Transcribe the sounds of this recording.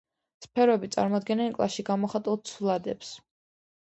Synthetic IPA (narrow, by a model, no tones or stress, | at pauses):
spʰɛɾɔɛbit̪sʼa̰ɾmɔd̪ɡɛnɛnkʼlˠa̰sʃiɡamɔχat̪ʼulˠt̪sʰulˠad̪ɛps